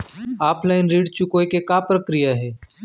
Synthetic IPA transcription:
aːpʰlaːɪnɾiːɖt͡ʃʊkoːjkekapɾɐkɾijaɦɛː

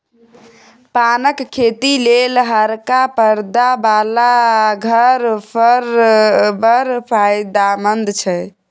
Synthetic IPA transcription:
panəkʰːet̪ilelɦəɾkapəɾd̪abalaɡʱəɾpʰəɾbəɾpʰajd̪amənd̪t͡ʃʰɛ

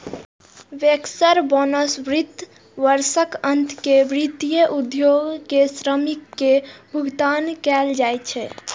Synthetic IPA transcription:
ʋeksəɾbɔnəsʋɾit̪ | ʋəɾsəkənt̪ʰkeʋɾit̪ijəʔud̪joɡkesɾəmikːebʱuɡt̪ankɛld͡ʒajt͡ʃʰɛ

